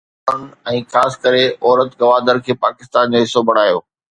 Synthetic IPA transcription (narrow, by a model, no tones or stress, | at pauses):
nɛ̃ːxaːsɪ̥kəɾeʔɔːɾət̪ɡɐʋaːd̪əɾkʰeːpaːkɪst̪aːnd͡ʑoɦɪsobʱɐɽ̤̃aːjo̰ː